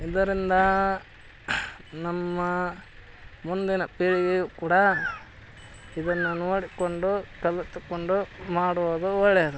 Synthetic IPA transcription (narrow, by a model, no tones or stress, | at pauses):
id̪ɐɾind̪ɐ | nɐmːɐ | mund̪inɐpiːɭiɡejukuːɽɐ | id̪ɐnːunoːɽikoɳɖukɐlut̪ːukoɳɖumaːɽod̪uɔɭɛjɐd̪u